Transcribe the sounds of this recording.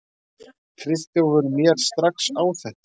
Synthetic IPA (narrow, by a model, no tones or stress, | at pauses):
kʰɾɪst̪aɣvʏɾmjɛɾ̥st̪ɾaksaːwθɛht̪ḁ